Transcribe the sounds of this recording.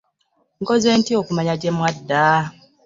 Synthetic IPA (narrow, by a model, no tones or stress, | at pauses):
ŋkoze̞ːntio̞kumaɲaɟe̞mwadːa